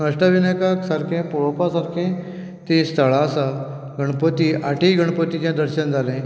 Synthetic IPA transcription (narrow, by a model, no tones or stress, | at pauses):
nəʂʈaʋinəjkaksaɾkʰẽpɔɭopasaɾkʰẽ | t̪est̪ʰəɭasa | ɡʱəɳ̃pət̪iʔaʈiɡʱəɳ̃pət̪it͡ɕjãd̪əɾɕənd͡zʱalẽ